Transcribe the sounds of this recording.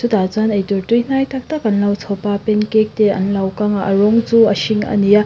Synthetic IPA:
sudazanɐjtuɾtujnajtʰak̚takɐnlawsʰawpapenkek̚teɐ̰nlawkaŋaʔɐɾoŋzuɐ̰ʃiŋɐ̰nija

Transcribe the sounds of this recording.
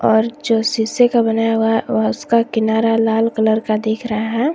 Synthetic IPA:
ɔːɾd͡ʒoːsisekabɐnaːjaʋɐʊskakɪnaːɾalaːlkələɾkad̪eːkʰɾɐɦaɦɛ̃ː

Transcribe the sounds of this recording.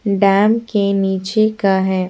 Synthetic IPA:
ɖɛːmkeniːt͡ʃekaɦɛː

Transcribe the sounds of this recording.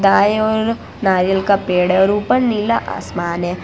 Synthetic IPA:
d̪aːjɔːɾ | naːɾəlkapeːɽɔːɾuːpənniːlaʔa̰ːsmaːnɦɛ̃

